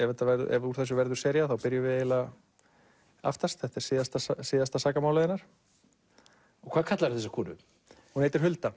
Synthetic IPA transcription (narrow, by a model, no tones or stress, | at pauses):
ɛvɛt̪ːavɛɾðʏ̰ʔɛ̰vuɾ̥θɛs̬ːʏvɛɾðʏ̥sɛːɾjaθawpɪɾjʏvɪeːjla | a̰ft̪ast̪θɛht̪ɛ̥siːðast̪asasiːðast̪asaːkamaːwlaðɪnːaɾ̥ | ɔkʰvaːkʰat̪laɾθɛs̬ɪkʰuːnʏ̰ | hunejt̪ɪɾ̥ɦʏlt̪a